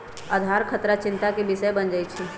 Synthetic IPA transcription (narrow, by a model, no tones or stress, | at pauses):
aːd̪ʱaɾkʰət̪ɾat͡ʃɪ̃nt̪akebɪʃəjbənd͡ʒaːit͡ʃʰi